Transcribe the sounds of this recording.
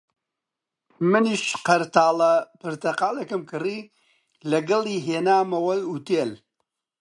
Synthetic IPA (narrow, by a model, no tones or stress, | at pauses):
mɨniʃqɐɾt̪aːlɐpɨɾt̪ɐqaːlekɨmkɨriː | lɐɡɐlˠiːɦeːnaːmɐwɐjut̪eːl